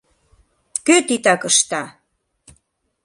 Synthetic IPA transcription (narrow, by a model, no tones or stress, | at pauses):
køt̪it̪ɑkəʃt̪ɑ